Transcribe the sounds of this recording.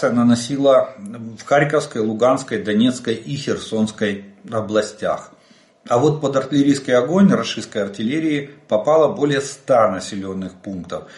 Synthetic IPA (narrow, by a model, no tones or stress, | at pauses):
sɨjənənɐsʲilˠəfxaɾʲkəfskəjlˠʊɡanskəjd̪ɐnʲe̞t̪skəjixʲɪrso̞nskəjɐblˠɐsʲtʲa̰x | ɐvo̞t̪̚pəd̪ɐrtʲɪlʲɪɾʲijskəjɐɡo̞nʲrɐʂɨst̪̚kəjɐrtʲɪlʲeɾʲɪːpɐpalˠəbo̞lʲɪjəst̪anəsʲɪlʲonːɨxpunkt̪əf